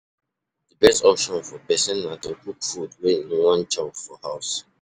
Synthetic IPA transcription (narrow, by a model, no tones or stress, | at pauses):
dəbɛstɔpʃɔ̃nfɔpɛsɛ̃nːatokukfudweĩnwɔ̃nt͡ʃɔ̃pfɔhaʊs